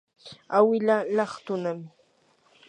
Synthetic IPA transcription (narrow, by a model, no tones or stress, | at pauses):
awɪlalɑχt̪ʊnam